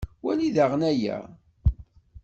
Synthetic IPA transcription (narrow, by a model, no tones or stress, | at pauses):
wæliðaʁənæjæ̰